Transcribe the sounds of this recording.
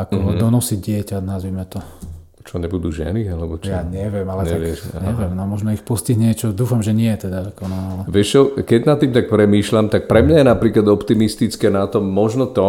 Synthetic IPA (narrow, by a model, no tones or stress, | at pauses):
akɔd̪ɔnɔsiɟɟɪɛcanazʋiːmɛt̪ɔ | t͡ʃɔɲɛbud̪uːʒɛ̰nialɛbɔt͡ʃjaːɲɛʋɪɛmalɛɲaʋɪɛʃɲɛʋɪɛmnɔmɔʒnɔixpɔsciɦɲɪɛt͡ʃɔd̪uːfamʒɛɲɪɛjɛt̪ɛd̪aakɔnaalɛʋɪɛʃt͡ʃɔkɛɟnat̪ːiːmt̪ak̚pɾɛmiːʃlamt̪ak̚pɾɛmɲajɛnapɾiːklad̪ɔpt̪imist̪it͡skɛːnat̪ɔmːɔʒnɔt̪ɔ